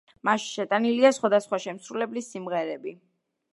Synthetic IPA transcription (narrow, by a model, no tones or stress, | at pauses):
maʃʃɛt̪ʼaniliasχwad̪asχwaʃɛmsɾulɛblisːimʁɛɾɛbi